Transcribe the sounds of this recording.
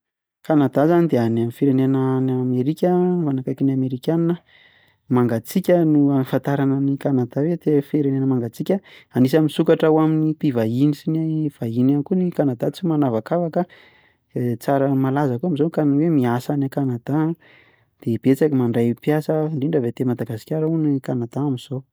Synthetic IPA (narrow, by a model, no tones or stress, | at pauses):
kanad̪azanid̪eanamifiɾenenənameɾikʲəmanakajkinameɾikʲaninə | maŋɡat͡sikʲənuafant̪aɾanənikanad̪awed̪efeɾenenəmaŋɡat͡sikʲəanis̬amisukaʈ͡ʂawaminipivainisinav̥aɦinankunikanad̪at͡simanavakavakə | t͡saɾəmalazakuamizokaniwemiasanakanad̪a | d̪̥eb̥et͡sakimaɳɖ͡ʐajpiasəɳɖ͡ʐiɳɖ͡ʐəvet̪emad̪aɡasi̥kʲaɾaunikanad̪aːmiz̥o